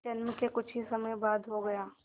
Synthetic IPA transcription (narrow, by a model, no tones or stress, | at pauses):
d͡ʒɐnmkekʊt͡ʃʰisɐməjbaːd̪ɦoɡɐjaː